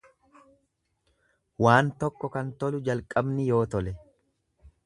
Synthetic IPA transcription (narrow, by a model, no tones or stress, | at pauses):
waːnt̪ɔkːɔkɐnt̪ɔlʊd͡ʒɐlkʼɐbnɪjo̞ːt̪ɔlɛ